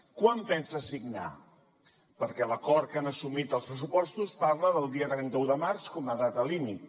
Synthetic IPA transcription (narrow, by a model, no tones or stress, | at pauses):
kwampɛnsəsiɡna̰ | pəɾkɛləkɔɾt̪̚kanəsumit̪əlˠspɾəs̬upɔst̪uspaɾləðəlˠd̪iət̪ɾɛnt̪əuðəmaɾskɔməðat̪əlimit̪